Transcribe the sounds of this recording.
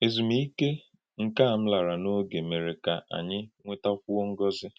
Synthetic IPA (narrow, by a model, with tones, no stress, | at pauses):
e˨zu˨mi˦i˦ke˦ | ŋ̩˨ka˦˨m̩˦la˨ɾa˨no˦ɡe˨me˨ɾe˨ka˨ʔa̰˨ɲɪ˦ŋʷe˦ta˦fu˦o˦ŋ̩˦ɡɔ˦zɪ˦